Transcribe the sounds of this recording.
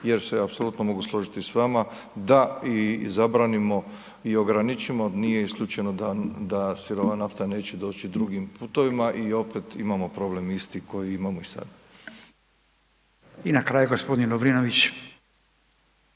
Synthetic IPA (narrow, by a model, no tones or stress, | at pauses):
je̞ɾseapso̞lut̪nomo̞ɡuslˠo̞ʒit̪isʋama | d̪aizabɾaːnimo̞ | io̞ɡɾanit͡ʃimonije̞iskʎuːt͡ʃe̞nod̪ad̪asiɾoʋanaft̪ane̞ːt͡ɕed̪o̞ːt͡ʃid̪ɾuɡimpuːt̪o̞ʋimaʔio̞pe̞t̪imamo̞pɾo̞ble̞mist̪iko̞jiimamoisa̰d̪a | inakɾaːjuɡospod̪inloʋɾinoʋit͡ɕ